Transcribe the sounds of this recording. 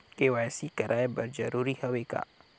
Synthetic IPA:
keʋaːjsikɐɾʔaːebɐɾd͡ʒɐ̰ɾuːɾihɐʋeːka̰ː

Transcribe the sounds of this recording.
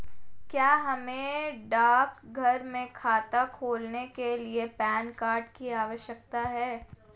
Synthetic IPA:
kjaːɦɐmẽɖaːkɡʱɐɾmẽkʰaːt̪akʰoːlnekeliepɛːnkaːɾɖkiaːʋəʃjək̚t̪aɦɛː

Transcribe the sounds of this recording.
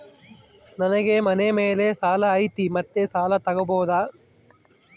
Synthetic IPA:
nɐnɐɣeːmɐnemeːleːsaːlɐːjt̪imɐt̪ːesaːlɐt̪ɐɣɐboːðaː

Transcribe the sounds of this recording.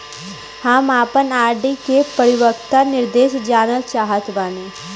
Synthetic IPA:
hamaːpənaːɾɖikepəɾɪwəkt̪anɪɾd̪eːʃd͡ʒaːnət͡ʃaːɦət̪baːneː

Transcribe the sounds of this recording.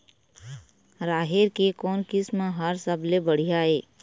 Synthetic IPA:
ɾaːɦeɾkekɔːnkɪsmãɦəɾsəblebəɽ̤ijaɦeː

